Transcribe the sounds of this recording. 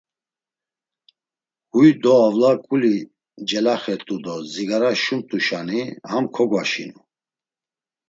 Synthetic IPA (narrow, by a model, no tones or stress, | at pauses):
hujd̪ɔavlakʼuli | d͡ʒɛlaχɛt̪ʼud̪ɔziɡaɾaʃumt̪ʼuʃanihamkʰɔɡwaʃḭnu